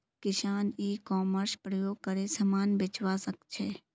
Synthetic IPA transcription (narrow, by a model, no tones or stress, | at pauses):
kɪʃaːniːkɔːməɾspɾəjoːɡ̚kəɾesɐmaːnbɪt͡ʃʋaːsəkt͡ʃʰeː